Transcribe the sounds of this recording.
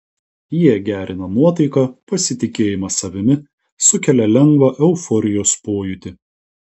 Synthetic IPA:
jiɛɡʲæːɾʲɪnɐmuɔt̪ɐɪkɑpɐsʲɪt̪ʲɪkʲeːjɪmɐsɐʋʲɪmʲɪ | sʊkʲɛlʲɛlʲɛŋɡʋɐʔɛʊfɔɾʲɪjoːspoːjʊt̪ʲɪ

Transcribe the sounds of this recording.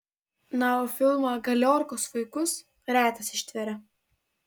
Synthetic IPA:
nɑoːfʲɪlˠmɐɡɐlʲoːɾkoːsʋɐɪkʊs | ɾʲæːt̪ɐsɪʃʲt̪ʲʋʲɛɾʲɛ

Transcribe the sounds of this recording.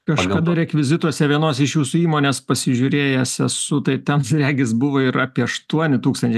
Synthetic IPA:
kɐʃkɐd̪ɐɾʲɛkʋʲɪzʲɪt̪uɔsʲɛʋʲiɛnoːsɪʃjuːsuiːmoːnʲeːspɐsʲɪʒʲʊɾʲeːjɛsʲɛsʊt̪ɐɪt̪ʲɛnsɾʲæːɡʲɪsbʊʋoːɪɾɑːpʲiɛɐʃt̪uɔnʲɪt̪uːkst̪ɐnʲt͡ʃʲɛɪ

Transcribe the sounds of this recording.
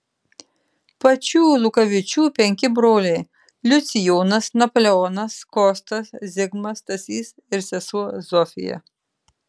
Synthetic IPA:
pɐt͡ʃʲuːlˠʊkɐʋʲɪt͡ʃʲuːpʲɛŋʲkʲɪbɾoːlʲɛɪ | lʲʊt̪sʲɪjoːnɐsnɐpolʲɛɔːnɐskɔːst̪ɐszʲɪɡmɐst̪ɐsʲiːs | ɪɾsʲɛsuɔzɔfʲɪ̰jɛ̰

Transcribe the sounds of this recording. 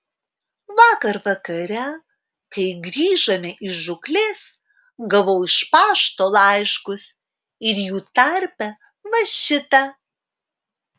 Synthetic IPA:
ʋɑːkɐɾʋɐkɐɾʲɛ | kɐɪɡɾʲiːʒɐmʲɛʔɪʒʊklʲeːs | ɡɐʋɔʊɪʃpɑːʃt̪oːlˠɑˑɪʃkʊs | ɪɾjuːt̪ɐɾʲpʲɛ | ʋɐʃʲɪt̪ɐ

